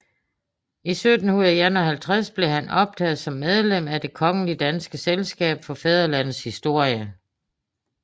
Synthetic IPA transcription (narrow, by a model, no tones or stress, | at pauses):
isød̥n̩huð̩ˠjænɒhælt͡sʰʁasb̥le̝ɦænɒ̽b̥̚dʰɛ̰ːð̩ˠsɒ̽mːeð̞ˠlem̰æd̥e̝kʰɒ̽ŋəlid̥ænsɡ̥əselsɡ̥ɛ̰ːb̥fɒ̽fɛð̞ˠɐlæn̰ð̩ˠshisd̥o̝ɐ̰jə